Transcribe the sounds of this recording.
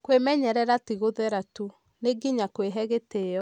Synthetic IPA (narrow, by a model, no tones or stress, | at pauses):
kwemɛɲɛɾɛɾatiɣoðɛɾatu | neɡiɲakweɦɛɣeteɔ